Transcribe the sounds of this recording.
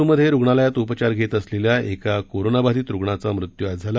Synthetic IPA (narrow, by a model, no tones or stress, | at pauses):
uməd̪ʱːjeɾuɡɳalajat̪upt͡ɕaɾɡʱet̪əsleljaʔekakoɾonabad̪iːt̪ɾuɡɳat͡samɾut̪juad͡zʱala